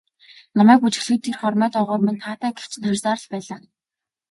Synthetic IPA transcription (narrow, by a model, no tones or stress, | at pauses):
nɔmæːkut͡ɕɪ̆xɮxɘ̆t̪ːirχɔrmœːt̪ɔʁɔːrment̪ʰaːt̪æːɡe̥t͡ɕʰnχœrʲsaːɾə̆ɮpæːɮaː